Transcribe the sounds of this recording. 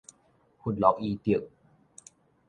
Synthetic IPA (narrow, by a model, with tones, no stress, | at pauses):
hu˧˥˨nlɔ˨˦˥ʔi˧t̪i˧˨ə˨k̚